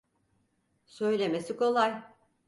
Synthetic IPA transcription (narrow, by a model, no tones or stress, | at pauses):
sø̞jlʲe̞me̞siko̞lˠaj